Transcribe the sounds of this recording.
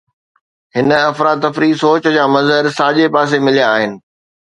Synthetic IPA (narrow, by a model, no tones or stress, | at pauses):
hɪnɐfɾaːd̪ɐfɾisoːt͡ɕd͡ʑaːmɐzɦəɾsaːʄepaːs̬emɪlijaːɦɪnɪ̆